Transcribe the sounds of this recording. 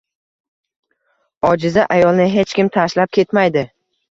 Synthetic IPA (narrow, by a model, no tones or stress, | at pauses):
ɒd͡ʒɪzaʔajɒlˠnɪɦe̞t͡ʃkʲɪmt̪ʰaʃlap̚kʲʰe̞t̪majd̪ɪ